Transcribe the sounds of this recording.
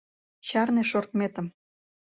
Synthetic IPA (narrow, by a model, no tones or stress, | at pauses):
ɕɑrneʃort̪met̪ə̆m